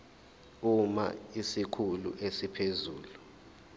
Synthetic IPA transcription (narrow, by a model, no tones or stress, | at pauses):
uma̰isikʰulṵʔesipʰezuːlu